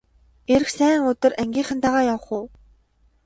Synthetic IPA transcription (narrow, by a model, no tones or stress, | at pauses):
eɾɘ̆xsæːŋʊt̪ɵ̆ræŋɡʲiːɴχə̆nt̪aʁaːjawə̆χʊː